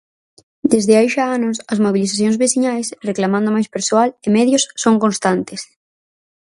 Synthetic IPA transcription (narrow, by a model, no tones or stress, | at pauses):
d̪ezðɪajʃaanʊsɐzmoβiliθaθjõŋzβesiɲajsreklamãnd̪omajspeɾsoalemɛðjʊsːoŋkõnst̪ant̪ɪs